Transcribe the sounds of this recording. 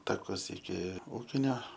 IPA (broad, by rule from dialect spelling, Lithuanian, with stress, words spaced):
tɐˈkʊs ɪkʲɪ ˈuːkʲɪnʲoː